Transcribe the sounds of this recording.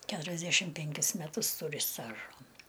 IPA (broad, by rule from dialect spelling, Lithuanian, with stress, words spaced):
ˈkʲæːtʊrʲɛzʲˌdʲæʃʲɪm ˈpʲɛŋʲkʲɪs mʲɛˈtʊs ˈtuːrʲɪ ˈstɑːʒoː